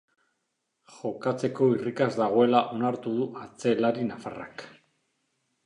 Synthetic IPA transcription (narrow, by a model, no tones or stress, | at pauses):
xo̞kat͡se̞ko̞irikazd̪aɣ̞o̞e̞laʔo̞naɾt̪uð̞uʔat͡se̞laɾinafara̰k